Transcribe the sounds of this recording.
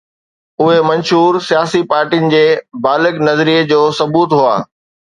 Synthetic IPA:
ʊɦemɐnʃuːɾsijaːsipaːɾʈijʊnɪ̆d͡ʑeːbaːlɪɡnɐzɾiəd͡ʑoːsɐbuːt̪ɦʊa̰ː

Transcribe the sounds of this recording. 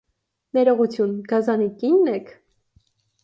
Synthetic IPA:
nɛɾɔʁut͡sʰjunɡɑzɑnikinːɛkʰ

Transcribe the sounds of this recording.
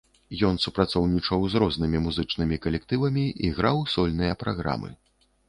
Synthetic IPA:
jɔn̪supɾat̪sɔwnʲit͡ʂɐwzrɔznɨmʲimuzɨt͡ʂnɨmʲikɐlʲɛk̚t̪ɨvɐmʲiʔiɣɾawsɔlʲnɨjɐpɾaɣɾa̰mɨ̰

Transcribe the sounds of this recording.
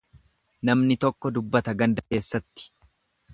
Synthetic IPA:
nɐmnɪt̪ɔkːɔd̪ʊbːɐt̪ɐɡɐnd̪ɐke̞ːsːɐt̪ːɪ̥

